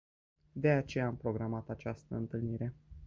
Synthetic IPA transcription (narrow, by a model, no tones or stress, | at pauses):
d̪e̞at͡ʃe̞jaːmpɾo̞ɡɾamat̪at͡ʃast̪əɨnt̪ɨlniɾe̞